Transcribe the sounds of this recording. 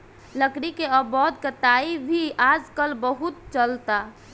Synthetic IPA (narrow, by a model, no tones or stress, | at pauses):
ləkɾikeəbɔt̪kət̪aibʱiʔad͡ʒkəlbəɦut̪̚t͡ʃəlt̪a